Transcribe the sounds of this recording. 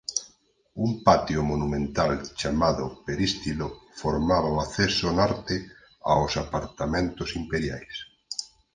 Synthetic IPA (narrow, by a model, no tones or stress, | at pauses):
umpat̪jʊmonumẽnt̪alt͡ʃamaðʊpeɾist̪ilofoɾmaβaoaθesonaɾt̪ɪ | a̰ʊsapaɾt̪amẽnt̪ʊsimpeɾjajs